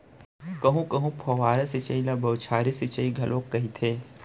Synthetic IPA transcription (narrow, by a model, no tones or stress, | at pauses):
kɐɦũkɐɦũpʰoːʋaːɾesɪt͡ʃəilabɐʊt͡ʃʰaːɾesɪt͡ʃəiɡʱɐlʔoːkːɐɦit̪ʰeː